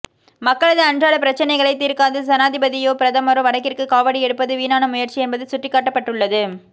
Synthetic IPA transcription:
mɐkːɐɭɐðɯɐɳdraːɭɐpɪɾɐt͡ʃːɐnɐɪɣɐɭɐɪt̪ːiːɾkaːðɯsɐnaːðɪbɐðɪjoːpɪɾɐðɐmɐɾoʋɐɽɐkːɪrkɯkaːʋɐɽiɛɽɯpːɐðɯʋiːnaːnɐmʊjɐɾt͡ʃiɛnbɐðɯsʊʈrɪkːaːʈːɐpːɐʈːɯɭːɐðɯ

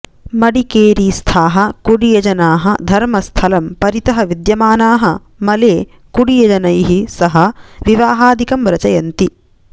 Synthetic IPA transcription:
mɐɽikeːɾiːst̪ʰaːɦɐkuɽijɐd͡ʒɐnaːɦɐd̪ʱɐɾmɐst̪ʰɐlɐmpɐɾit̪ɐɦɐʋid̪jɐmaːnaːɦɐ | mɐleː | kuɽijɐd͡ʒɐnɐjɦisɐɦɐʋiʋaːɦaːd̪ʱikɐmʋɾɐt͡ʃɐjɐnt̪i

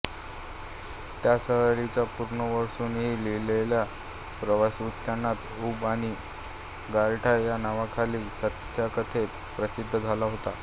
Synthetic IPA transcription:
t̪jasəɦɭit͡ɕapuɾɳəʋəɾsuːnɦiːlelelja | pɾəʋasut̪janːat̪uːbaɽ̃i | ɡalʈʰajanaʋakʰaliːsət̪jakət̪ʰet | pɾəsid̪ʱːəd͡zʱalaɦot̪a

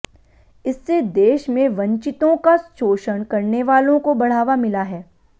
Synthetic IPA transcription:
ɪsːed̪eːʃmẽʋɐ̃ɲt͡ʃɪt̪õkasʃoːʃənkɐɾneʋaːlõkobɐɽ̤aːʋamɪlaɦɛː

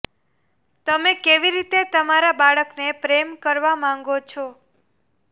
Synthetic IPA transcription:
t̪əmekeʋiɾit̪et̪əmaɾabaɭəknepɾemkəɾʋamãŋɡot͡ʃʰo

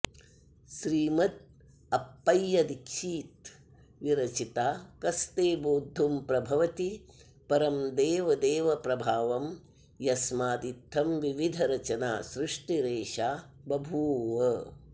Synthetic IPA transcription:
ʃɾiːmɐt̪̚ | ɐpːɐjːɐd̪ikʃiːt̪̚ | ʋiɾɐt͡ʃit̪aːkɐst̪eːboːd̪ʱːumpɾɐbʱɐʋɐt̪i | pɐɾɐmd̪eːʋɐd̪eːʋɐpɾɐbʱaːʋɐm | jɐsmaːd̪it̪ʰːɐmʋiʋid̪ʱɐɾɐt͡ʃɐnaːsɾuʂʈiɾeːʃaː | bɐbʱuːʋɐ

